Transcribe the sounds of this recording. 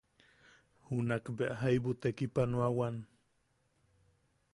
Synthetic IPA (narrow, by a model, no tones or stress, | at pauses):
hunakbeʔaɦajβut̪ekipanuawan